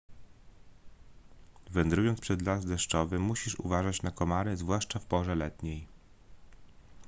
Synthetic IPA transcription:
vɛnd̪ɾujɔnt̪pʂɛd̪lazd̪ɛʂt͡ʂɔvɘmuɕiʂṵvaʐat͡ɕnakɔmaɾɘzvwaʂt͡ʂafpɔʐɛlɛt̪ɲej

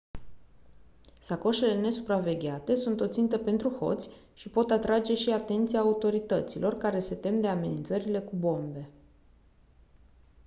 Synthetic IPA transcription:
sako̞ʃe̞le̞ne̞supɾave̞ɡʲeat̪e̞sunt̪o̞t̪sint̪əpe̞nt̪ɾuxo̞̰t̪sʲ | ʃipo̞t̪at̪ɾad͡ʒe̞ʃiat̪e̞nt̪sijaːut̪o̞ɾit̪ət̪silʔo̞rkaɾe̞se̞t̪e̞md̪e̞ame̞nint̪səɾile̞kubo̞mbe̞

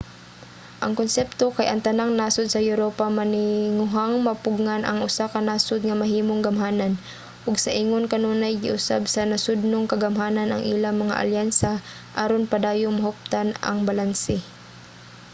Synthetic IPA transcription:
ʔɐŋkonsɛpt̪okajʔɐŋt̪ɐnaŋnaːsod̪̚sɐjʊɾoːpamɐnɪŋʊɦaŋmɐpʊɡŋanʔɐŋʔʊsakɐnaːsod̪̚ŋɐmɐɦiːmoŋɡɐmɦaːnan | ʔʊɡsɐʔiŋonkɐnoːnajɡɪʔʊsa̰bsanɐsʊd̪̚noŋkɐɡɐmɦaːnanʔɐ̰ŋʔilaŋmɐŋa̰ʔa̰ljansa | ʔaɾonpɐd̪aːjʊŋmɐhʊp̚t̪anɐ̰ŋbalansɪ

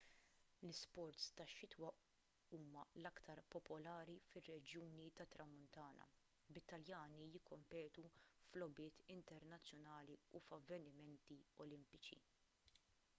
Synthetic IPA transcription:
lɪspɔɾt̪st̪ɐʃːɪt̪wɐʔ | uːmɐlɐkt̪ɐɾpɔpɔlɐːɾifɪrːɛd͡ʒjuːnit̪ɐt̪ɾɐmːʊnt̪ɐːnɐ̰ | bɪt̪ːɐljɐːnijɪkʰːɔmpɛːt̪uflɔbɪːt̪ɪnt̪ɛɾnɐt͡sːjɔnɐːliufɐvːɛnɪmɛnt̪iɔlɪmpɪt͡ʃḭ

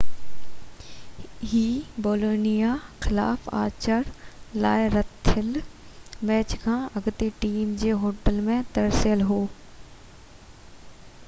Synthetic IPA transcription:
ɦiːboːloːnijaxɪla̰ːfa̰ːt͡ɕəɽlaːɪɾɐt̪ʰːɪl | mɛːt͡ɕkʰãːɐɡt̪eʈiːmd͡ʑeːɦoːʈəlmẽt̪ɐɾsjəlɦoː

